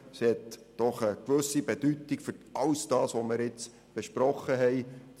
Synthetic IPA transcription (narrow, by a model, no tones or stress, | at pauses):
shɛtd̥ɔχəkʋɵsibed̥ytːikfʏɾʔɑwsd̥ɑːsʋomɪɾɪt͡s | b̥eʃpɾɔχəɦɛɪ